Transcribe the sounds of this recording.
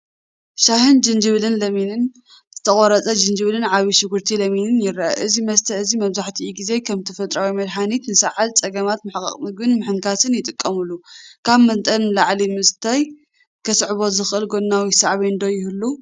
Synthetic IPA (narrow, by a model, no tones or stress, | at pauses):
ʃahɨnd͡ʒɨnd͡ʒɨβlɨnlɐminɨn | z̥ɨt̪ʰɐχʼoɾɐt͡sʼɐd͡ʒɨnd͡ʒɨβlɨnʕaβiʃɨɡuɾt̪ʰilɐminɨnjɪɾːaʔɐ̰ʔɨzimɐst̪ʰɐɨzimɐβzaħt̪ʰiiɡize̞kʰɐmt̪ʰɐfɐt̪ʼɾawimɐd̪ħanit̪nɨsɐʕalt͡sʼɐɡɐmat̪mɨħkʼɐ̰χʼmɨɡɨnmɨħɨŋkʰasɨnjɪt̪ʼɨkʼːɐmɨlːukʰaβmɐnt̪ʼɐnlaʕlimɨst̪ʰaj | kʰɐsʕβo̞zɨxʔɨlɡonːawisaʕβind̪o̞jɪhɨlːu